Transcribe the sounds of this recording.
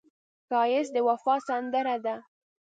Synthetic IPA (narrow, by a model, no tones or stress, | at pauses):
kɑjɪsd̪əwafɑsand̪əɾad̪a